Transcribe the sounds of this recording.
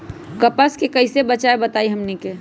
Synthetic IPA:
kɐpəskekəɪsebət͡ʃaebɐt̪aːiɦɐmneke

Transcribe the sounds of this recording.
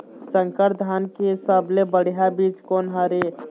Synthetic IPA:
səŋkəɾd̪ʱaːnkesəblebəɽ̤ijabiːt͡ʃkoːnɦəɾe

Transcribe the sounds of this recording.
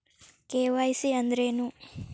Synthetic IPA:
keːʋaːjsiɐnd̪ɾeːnu

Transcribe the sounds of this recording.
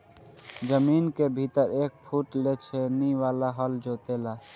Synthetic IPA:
d͡ʒəmiːnkebʱit̪əɾeːk̚pʰuʈlet͡ʃʰeniwaːlaɦəld͡ʒoːt̪ela

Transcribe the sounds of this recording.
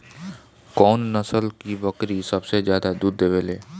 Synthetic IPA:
kɔːnːəsəlkibəkɾisɐbsezjaːd̪ad̪uːd̪ːeːʋeːleː

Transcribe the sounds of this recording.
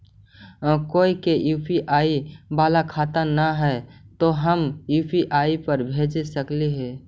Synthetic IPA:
koːikejuːpʰiʔaːibaːlakʰaːt̪anaɦɛt̪oɦəmjuːpʰiʔaːipəɾbʱeːd͡ʒesəkleɦɛː

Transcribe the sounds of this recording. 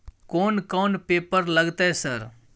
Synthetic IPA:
koːnkoːnpeːpəɾlɐɡt̪aɦesɐɾ

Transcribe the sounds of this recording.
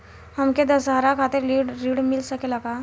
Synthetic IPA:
ɦɐmked̪ɐsɦaːɾakʰaːt̪ɪɾiɾiɽmɪlsɐkelɐɡaː

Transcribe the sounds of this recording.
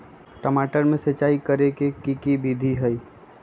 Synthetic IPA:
ʈəmaːʈəɾmẽset͡ʃaːikəɾekekikibid̪ʱiɦəi

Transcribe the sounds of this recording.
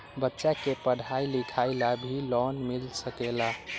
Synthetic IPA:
bətːʃakepəɽ̤ʱajlikʰaɪlabʱilɔnmilsəkela

